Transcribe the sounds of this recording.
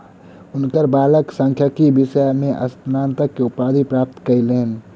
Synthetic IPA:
ʊnkəɾbaːləksə̃ŋkʰjəkibɪʃəmẽʔɐ̰st̪naːnt̪əkːeʊpaːd̪ʱipɾaːp̚t̪kəileːn

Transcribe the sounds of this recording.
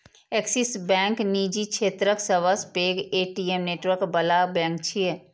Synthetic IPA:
eksisbɛ̃ːŋknid͡ʒikʰeːt̪ɾəksəʋəspeːɡeːʈiemneːʈʋəɾkbəlabɛ̃ːŋkt͡ʃʰie

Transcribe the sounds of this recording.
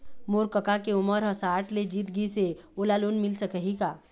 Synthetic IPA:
moːɾkəkakeʊməɾɦəsaːʈled͡ʒiːt̪ɡiseoːlaloːnmɪlsəkəɦikaː

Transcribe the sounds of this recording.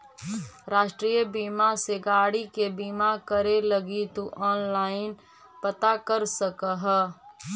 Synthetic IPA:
ɾaːʃʈɾiːjəbimaseɡaːɽikebiːmakəɾeləɡit̪uʔɔːnlaːɪn | pət̪akəɾsəkəɦ

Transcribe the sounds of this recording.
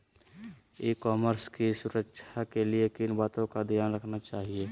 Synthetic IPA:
ikɔːməɾskisʊɾəkʃʰakeliekinbaːt̪õkad̪ʱijaːnɾəkʰnat͡ʃaːɦie

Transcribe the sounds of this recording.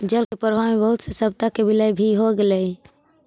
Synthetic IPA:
d͡ʒəlkepəɾbʱamebəɦut̪səsəb̚t̪akebiləjbʱiɦoɡelɛj

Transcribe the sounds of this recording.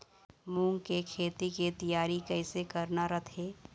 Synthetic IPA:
mũːŋɡkekʰeːt̪ikit̪ɐjaːɾikɛːsekɐɾnaɾɐt̪ʰeː

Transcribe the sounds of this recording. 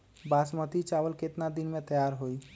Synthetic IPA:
basmət̪it͡ʃaʋəlket̪nad̪inmẽt̪əjaːɾɦoi

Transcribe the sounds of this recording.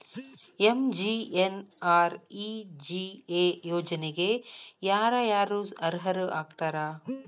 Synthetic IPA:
emd͡ʒienaːɾid͡ʒiejoːd͡ʒɐneɡejaːɾajaːɾuːzɐɾɦɐɾaːɡt̪aːɾaː

